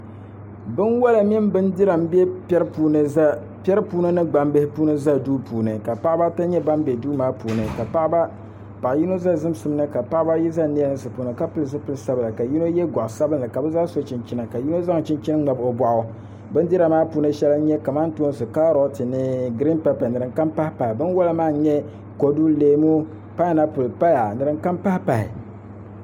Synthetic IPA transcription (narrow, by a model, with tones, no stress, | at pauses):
bɨ˦nwa˦la˨mi˦mbɨ˦ndi˦ɾa˨mbɛ˦pɛ˦ɾɨ˦puː˨nɨ˨za˦ | pɛ˦ɾpuː˦nɨ˦nɨ˦ɡ͡ba˨mbɨ˦hɪ˦puː˦nɨ˦za˦duː˦pʰuː˨nɨ˨ka˨pa˦ʔba˦ta˦ɲɛ˦ba˦mbe˨duː˦maː˦puː˨nɨ˨ka˨pa˦ʔba˦ | pa˨ʔji˦no˦za˦zɨ˦m˦sɨ˨m˦nɨ˦ka˨pa˦ʔba˦ji˦za˦ni˦ɛ˦nɨ˦sɨ˨puː˨nɨ˨ka˦pɨ˦lɨ˨sɨ˦pɨ˦lɨ˨sa˦bɨ˨la˨ka˨ji˦no˦jɛ˦ɡʷɔ˨ʔsa˦bɨ˦nɨ˨ka˨bɨ˦za˦so˦t͡ʃi˨nt͡ʃi˦na˨ka˨ji˦no˦za˦ŋ˨t͡ʃɪ˦nt͡ʃi˦nɨ˦ŋ͡ma˨bo˨ba˨ʔʊ˨ | bɨ˦ndi˦ɾa˨maː˦puː˨nɨ˦ʃɛ˦la˦ɲɛ˦ka˨ma˦n˦tu˦o˦n˦sɨ˨ka˦ɾo˦tɨ˨nɨ˦ɡɾi˦npɛ˦pɛ˨nɨ˨ɾɨ˨ŋka˦mpa˦hpa˨ɪ˨bɨ˦nwa˦la˦maː˦˨˦ɲɛ˦ | ko˨du˦leː˦mu˦ | pa˦˨na˦pʊ˨lpa˦ja˨nɨ˨ɾɨ˨ŋka˦mpa˦hpa˨hɪ̰˨